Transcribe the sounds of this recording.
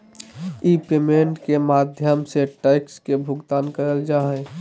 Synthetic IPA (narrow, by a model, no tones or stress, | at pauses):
ipeːmẽɳʈkemaːd̪ʱjəmseʈaɪkskebʱʊɡt̪aːnkəɾəld͡ʒaɦɛ̃